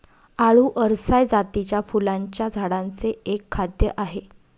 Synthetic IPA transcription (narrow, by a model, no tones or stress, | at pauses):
aɭuːʔəɾsajd͡zat̪it͡ɕjafulaɲt͡ɕjad͡zʱaɽãnt͡seekʰːad̪jəʔaɦe